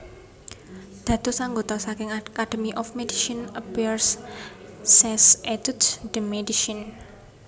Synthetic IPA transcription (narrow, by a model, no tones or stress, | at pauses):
d̪̥ä̤d̪̥osaŋɡot̪ɔsakɪŋakad̥əmiʔɔfmediʃinəpirs | sɛset̪ud̪sd̥əmediʃin